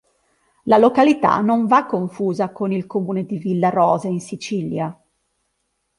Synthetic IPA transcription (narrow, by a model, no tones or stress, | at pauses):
lalokalit̪a̰noɱvakːoɱfuːzakonilkomuːned̪ivilːaɾɔːzeinsit͡ʃilja